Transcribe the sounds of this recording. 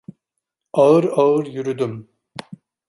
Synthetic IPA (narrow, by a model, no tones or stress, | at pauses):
ɑɯɾaɯɾjyɾyd̪ym